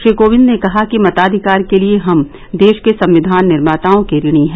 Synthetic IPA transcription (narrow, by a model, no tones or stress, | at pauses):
ʃikoːʋɪ̃nd̪nekɐɦakimɐt̪aːd̪ʱɪkaːɾkelieɦɐm | d̪eːʃkesɐ̃mʋɪd̪ʱaːnːɪɾmaːt̪aːõkeɾɪɽ̃iɦɛ̃ː